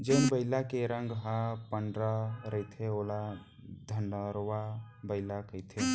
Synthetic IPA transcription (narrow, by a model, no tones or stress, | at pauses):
d͡ʒəɪnbəɪlakeɾəŋɡɦapəɳɖɾaɾəjt̪ʰeola | d̪ʱənɖəɾwa | bəɪlakəjt̪ʰe